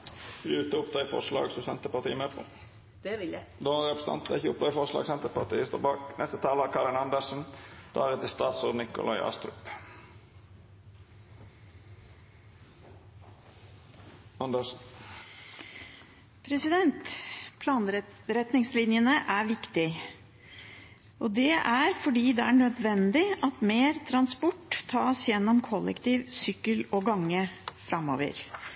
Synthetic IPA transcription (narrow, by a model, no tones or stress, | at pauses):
ʉːt̪əʊpd̪ɑːɪfɔ̰ʂlɑ̰ːɡsɔsɛnt̪əpɑʁt̪ʰiːəmeːpʰo̰ː | d̪̥ɛɪd̪ɔʁɛpɾəsnɑ̰nt̪d̪əɪçəʊp̚d̪ɑːɪfɔʁʂlɑ̰ːɡsɛnt̪əpɑʁt̪ḭːəst̪o̰ːbɑːknɛst̪ət̪ʰɑːləækʰɑːɾɪnɑnd̪əsn̩d̪̥ɑːɾɛt̪ːɪst̪ɑːt̪sɔːd̪nɪkʊ̰lɑ̰ɪʔɑ̰ːst̪ɾʉ̰p | ɑnd̪ə | pʰɾɛsɪd̪ɛnt̪pʰlɑːnɾɾɛt̪nɪŋslɪnjənəʔæɾʋɪkt̪ɪ | ʔɔd̪ɛʔæɾfɔɖiːd̪ɛæɳœd̪ʋɛnd̪ɪʔɑt̪meːɾt̪ʰɾɑnspɔʈ̪ːʰɑːsjɛnːɔmkʰɔlːɛ̰kt̪iːʋsʏkːəlɔɡɑŋːəfɾɑmo̰ːʋə̰ɾ